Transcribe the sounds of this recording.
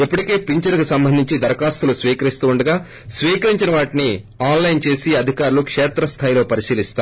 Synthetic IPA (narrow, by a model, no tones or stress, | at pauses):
ipːuʈike̞ːpiɲt͡ʃɐɾkusɐmbɐnd̪ʱiɲt͡ʃid̪ɐɾɐkaːst̪ulusʋiːkɐɾist̪uːuɳɖɐɡaː | sʋiːkɐɾiɲt͡ʃinɐʋaːʈini | aːnlɐjnt͡ʃe̞ːsiɐd̪ʱikaːɾulukʂɛːt̪ɾɐst̪ʰaːjlo̞ːpɐɾisiːlist̪a